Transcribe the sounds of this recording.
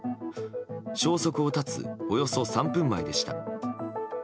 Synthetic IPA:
ɕo̞ːso̞kɯ̟ot̪at͡sɨ̰o̞jo̞so̞sãmpɯ̟̃mːaid̪e̞ɕi̥t̪a̰

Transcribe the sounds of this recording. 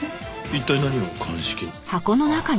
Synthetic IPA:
it̪ːainaɲ̟iβakʰãɰ̃ɕi̥kʲe | hako̞no̞naka

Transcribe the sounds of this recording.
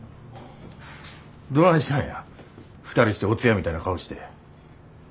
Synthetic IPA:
d̪onãɕi̥t̪ãɰ̃ja | ɸɯ̥t̪aɾʲiɕi̥t̪e̞ot͡sɨjamʲit̪ainakaoɕi̥t̪e̞

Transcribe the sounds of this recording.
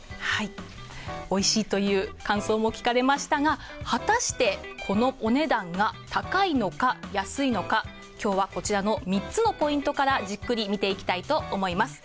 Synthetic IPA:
hai | o̞iɕiːt̪o̞jɯ̟ːkãɰ̃so̞ːmo̞kʲi̥kaɾe̞maɕi̥t̪aɡa | hat̪aɕi̥t̪e̞kʰo̞no̞ʔo̞ne̞d̪ãŋɡat̪akaino̞kajasɨino̞ka | kʲo̞ːβako̞t͡ɕiɾano̞mʲitt͡sɨno̞po̞ĩnt̪o̞kaɾaʑɨkːɯ̟ɾʲimʲit̪e̞ikʲi̥t̪ait̪o̞ʔːmo̞imasɨ̥

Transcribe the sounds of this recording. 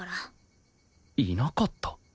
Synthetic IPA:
ɾa | iːnokot̪ːo̥

